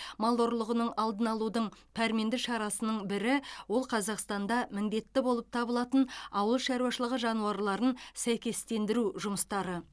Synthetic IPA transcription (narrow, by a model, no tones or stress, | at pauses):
mɑlˠoɾlˠəʁənəɴɑlˠd̪ənɑlˠud̪əɴpʰæɾme̞nd̪ɪʃɑɾɑsənəɴbɪɾɪwo̞lˠqʰɑzɑqst̪ɑnd̪ɑmɪnd̪e̞t̪ːɪbo̞lˠəp̚t̪ʰɑbəlˠɑt̪ənɑwəlˠʃɑɾuwɑʃəlˠəʁəʒɑnuɑɾlˠɑɾənsæjkʲe̞st̪e̞nd̪ɪɾuʒʊməst̪ɑɾə